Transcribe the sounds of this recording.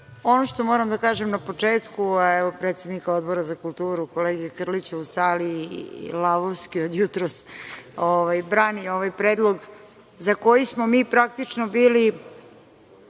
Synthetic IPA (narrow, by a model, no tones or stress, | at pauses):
o̞noʃt̪o̞moɾamd̪akaːʒemnapo̞t͡ʂeːt̪kuɛʋopɾeːt̪sed̪nikao̞d̪bo̞ɾazakulˠt̪uːɾuko̞leːɡiekr̩lit͡ɕeusaːliḭlaʋowskiod̪jut̪ɾosoʋajbɾaːnioʋajpɾeːd̪lˠo̞ɡ | zako̞jismomiːpɾak̚t̪it͡ʂnobiːli